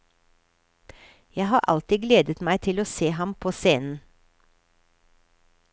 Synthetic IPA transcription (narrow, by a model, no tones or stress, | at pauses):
jæɪhɑːʔɑ̰lt̪ɪːɡleːd̪ət̪mæɪt̪ʰɪloːseːhɑmpʰoːseːnn̩